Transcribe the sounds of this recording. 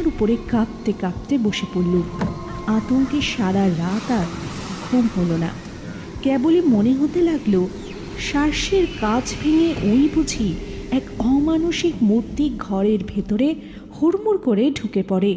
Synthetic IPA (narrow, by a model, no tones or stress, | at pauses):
ɾupoɾekap̚t̪ekap̚t̪eboʃepulːu | at̪oŋkeʃaɾaɾat̪aɾ | ɡʱumɦolona̰ | kɛbolimoneɦot̪elaɡlo | ʃaɾʃeɾkat͡ɕʰbʱeŋeʔojbʱud͡ʑʱiɛkɔmanuʃikmuɾt̪iɡʱɔɾeɾbʱet̪oɾe | huɾmuɾkoɾeɖʱukepɔɾe